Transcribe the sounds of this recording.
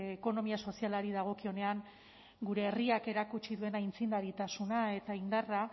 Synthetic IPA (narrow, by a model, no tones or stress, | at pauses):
eko̞no̞miaso̞sialaɾiðaɣ̞o̞kio̞ne̞aŋ | ɡuɾe̞ːriake̞ɾakut͡ʃiðue̞naint͡sind̪aɾit̪asunae̞t̪aind̪ara